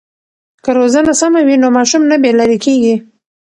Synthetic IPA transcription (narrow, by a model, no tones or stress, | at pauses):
kəɾozənasamawinomɑʃumnabelaɾikeɡi